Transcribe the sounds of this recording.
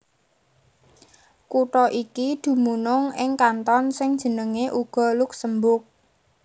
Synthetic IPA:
kuʈɔʔikid̪̥ṳmunʊŋɪŋkant̪ɔnsɪŋd̥ʒ̥ə̤nəŋeʔuɡ̥ɔ̤lʊk̚səmbʊk̚

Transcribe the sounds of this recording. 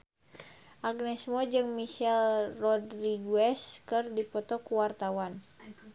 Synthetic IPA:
ʔaɡnɛsmɔd͡ʒɨŋmiʃɛlrɔdriɡuɛskɨrdipɔt̪ɔkuwart̪awan

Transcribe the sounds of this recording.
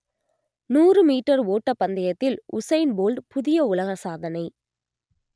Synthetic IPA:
nuːrɯmiːʈːɐɾoːʈːɐpːɐnd̪ɐjɐt̪ːɪlʊsɐɪnboːlɖpʊðɪjɐʊlɐɣɐsaːðɐnɐɪ

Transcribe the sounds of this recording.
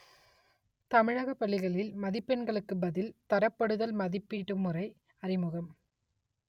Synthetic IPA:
t̪ɐmɪɻaːɣɐpːɐɭːɪɣɐɭɪlmɐðɪpːɛɳɡɐɭɯkːɯbɐðɪlt̪ɐɾɐpːɐɽɯðɐlmɐðɪpːiʈːɯmːɯrɐɪ | ɐrɪmɯɣɐm

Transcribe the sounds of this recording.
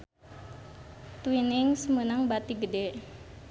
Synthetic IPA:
t̪winɪŋsəmənaŋbat̪iɡəde

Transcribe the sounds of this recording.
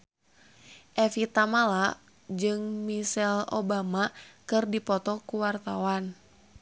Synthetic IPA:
ʔɛfit̪amala | d͡ʒɨŋmisɛlo̰bamakɨrdipɔt̪ɔkuwart̪awan

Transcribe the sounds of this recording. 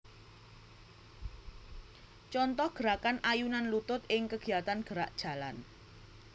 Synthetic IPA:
t͡ʃɔnt̪ɔhɡ̥əɾakanʔajunanlut̪ʊt̪̚ɪŋkəɡ̥i̤at̪anɡ̥əɾaʔd̥ʒ̥a̤lan

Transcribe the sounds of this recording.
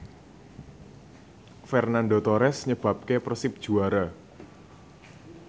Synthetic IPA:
fɛrnandot̪oɾɛsɲəb̥ap̚keprəsɪp̚d̥ʒ̥ṳaɾa

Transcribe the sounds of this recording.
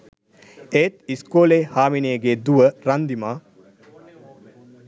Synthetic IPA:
eːt̪iskoːleːhaːmineɡeːd̪uʋəɾand̪imaː

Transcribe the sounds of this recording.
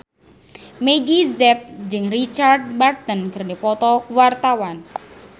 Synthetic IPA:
meɡizɛt̪̚d͡ʒɨŋrit͡ʃard̪̚mard̪ənkərnipɔt̪ɔwart̪awan

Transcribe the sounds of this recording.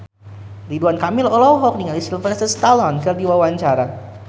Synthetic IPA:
riduankamɪlɔlɔwɦɔk̚niŋalisilfɾɛst̪əst̪alɔnkərdiwawaɲt͡ʃaɾa

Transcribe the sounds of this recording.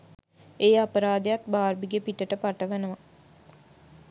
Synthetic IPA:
eːapəɾaːd̪ejat̪baːɾbiɡepiʈəʈəpaʈəʋenəʋa

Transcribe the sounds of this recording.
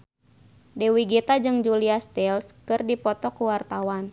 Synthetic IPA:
dɛwiɡet̪ad͡ʒɨŋd͡ʒuliast̪ɛlskɨrdipɔt̪ɔkuwart̪awan

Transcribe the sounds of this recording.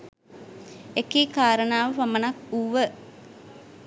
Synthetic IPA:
ekiːkaːɾənaːʋəʋamənakuʋə

